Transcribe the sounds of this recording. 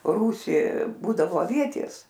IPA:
ˈruːsʲiː ˈbuːdɐʋoː ɐˈʋʲiɛtʲeːs

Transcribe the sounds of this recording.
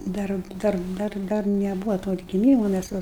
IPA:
ˈdɐr ˈdɐr ˈdɐr ˈdɐr nʲɛˈbuːʋoː toː ɐdʲɡʲɪˈmʲiːmoː mʲæs ˈʋɐ

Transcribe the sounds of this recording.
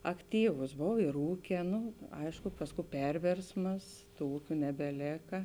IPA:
ɐkˈtʲiːʋʊs ˈboːw ɪr ˈuːkʲeː ˈnʊ ˈɐɪʃkʊ ˈpɑːsˌkuː ˈpʲɛrʲʋʲeːrsmɐs ˈtuː ˈuːkʲʊ nʲɛbʲɛˈlʲeːkɐ

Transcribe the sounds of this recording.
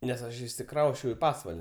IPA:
nʲɛs ˈɐʃ ɪʃʲsʲɪˈkrɐʊsʲt͡ʃʲɛʊ iː ˈpɑːsʋɐlʲ

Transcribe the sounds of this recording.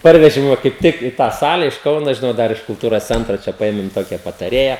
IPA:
ˈpɐrʲʋʲɛʒʲɪm ˈʋɐ kɐɪp ˈtʲɪk ɪ tɑː ˈsɑːlʲɛ ɪʃ ˈkɐʊnoː ʒʲɪˈnɐʊ ˈdɐr ɪʃ kʊlˠˈtuːroːs ˈt͡sʲɛntroː ˈt͡ʃʲɛ pɐˈeːmʲɪm ˈtoːkʲɛ pɐtɐˈrʲeːjɛ

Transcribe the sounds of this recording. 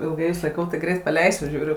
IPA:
ɪlˠˈɡɐɪ jʊs lˠɐɪˈkɐʊ tɐɪ ˈɡrʲɛɪt pɐˈlʲɛɪsʲʊ ˈʒʲuːrʲʊ

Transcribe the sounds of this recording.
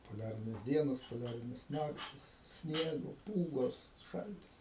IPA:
poːˈlʲæːrʲɪnʲeːs ˈdʲiɛnoːs poːˈlʲæːrʲɪnʲeːs ˈnɑːktʲɪs ˈsʲnʲiɛɡoː ˈpuːɡoːs ˈʃɐlʲtʲɪs

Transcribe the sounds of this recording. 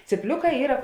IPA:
t͡sʲiːˈpʲlʲʊˌkɑː ˈiːrɐ

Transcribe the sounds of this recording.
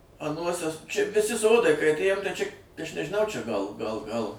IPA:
ɐˈnuɔsʲɛ t͡ʃʲɛ ʋʲɪˈsʲɪ ˈsoːdɐɪ kɐɪ ɐtʲˈeːjoːm tɐɪ t͡ʃʲɛ ɐʃ nʲɛʒʲɪˈnɐʊ t͡ʃʲɛ ɡɐlˠ ɡɐlˠ ɡɐlˠ

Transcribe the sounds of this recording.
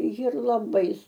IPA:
jɪr lˠɐˈbɐɪ

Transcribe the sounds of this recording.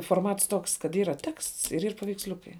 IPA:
foːrˈmɐts ˈtoːks kɐt ˈiːrɐ tʲɛksts ɪr iːr pɐʋʲɛɪksʲˈlʲʊkɐɪ

